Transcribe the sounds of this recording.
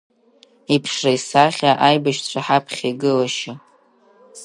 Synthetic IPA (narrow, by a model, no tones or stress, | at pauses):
ipʰʂrajsaχʲaʔajbaʃt͡ɕʷʰaħapʰχʲiɡɨlaʃa